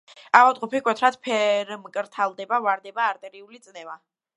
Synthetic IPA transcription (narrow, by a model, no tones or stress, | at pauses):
avalˠt̪ʼqʼupikʼwɛt̪ʰɾat̪pʰɛɾmkʼɾt̪ʰalˠd̪ɛbavaɾd̪ɛbaːɾt̪ʼɛɾiulit̪sʼnɛva